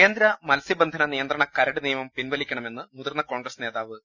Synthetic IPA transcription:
eːnd̪ɾɐmɐlsibɐnd̪ʱɐnɐnijɐnd̪rɐɳɐkɐɾɐɽɨnijɐmɐmpinʋɐlikʲːɐɳɐme̞nːɨmuðɐrnːɐko̞ːɳɡrɐsne̞ːðaːʋɨ

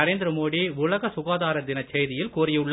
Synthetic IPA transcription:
ɐɾeːnd̪ɪɾɐmoːɽiʊlɐɣɐsʊɣaːðaːɾɐɾd̪ɪnɐt͡ʃːɛjðɪjɪlkuːɾɪjʊɭː

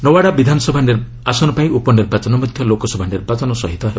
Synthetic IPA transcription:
nɔwaɽabid̪ʱanɔsɔbʱaniɾ | asɔnɔpaĩupɔniɾbat͡ʃɔnɔmɔd̪ʱjɔlokɔsɔbʱaniɾbat͡ʃɔnɔsɔɦit̪ɔɦebɔ

